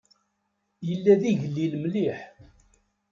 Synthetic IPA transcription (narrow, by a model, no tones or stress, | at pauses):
jəlːæðiʝəlːilmliħ